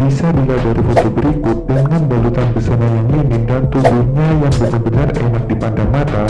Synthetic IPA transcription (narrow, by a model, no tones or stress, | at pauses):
bisadiladaɾifot̪obəɾikʊt̪̚dəŋanbalut̪anbəsanajaŋlinɪndant̪ubuhɲajaŋbənəbənarenak̚dipandaŋmat̪a